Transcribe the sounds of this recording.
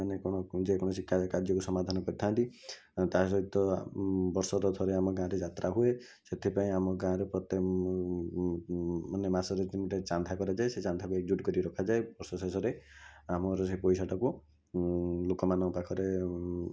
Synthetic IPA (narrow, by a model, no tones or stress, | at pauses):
anekɔɽ̃ɔd͡ʒekɔɽ̃ɔsikʰːakaɾd͡ʒɔkusɔmad̪ʱanɔkɔɾit̪ʰanʈi | t̪as̬ɔɦit̪ɔbɔɾsɔɾɔt̪ʰɔɾeamɔɡãɾed͡ʒat̪ɾaɦue | set̪ʰipaĩamɔɡãɾɔpɾɔt̪e | ɔnemasɔɾetimɔʈet͡ʃand̪ʱakɔɾad͡ʒaeset͡ʃand̪ʱakuek̚d͡ʒuʈkɔɾiɾɔkʰad͡ʒaebɔɾsɔsesɔɾeamɔɾɔsepɔjsaʈɔku | lokɔmanɔ̃ɔpakʰɔɾe